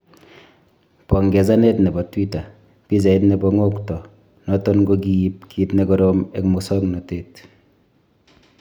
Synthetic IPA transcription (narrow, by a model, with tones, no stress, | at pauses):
pɔ˨ŋɡɛ˨s̬a˦ne˦tnɛ˨bɔ˨twi˦ta˨ | pi˦s̬e˨i˦tne˨bɔŋo˦ktɔ˨ | nɔtɔ˦nɡoki˨ip̚kʰi˨tne˦kɔɾome˦kmu˨sɔ˦kna˨teːt